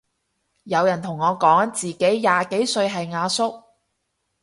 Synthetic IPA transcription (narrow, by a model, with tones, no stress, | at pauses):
jɐ˨˧wjɐ˨˩nt̪ʰʊ˨˩ŋːɔː˨˧kɔː˨˥ŋt͡siː˨ke˨˥jjaː˨˩ke˨˥jsɵ˧ɥɦɐ˨jŋaː˨˧sʊ˥k̚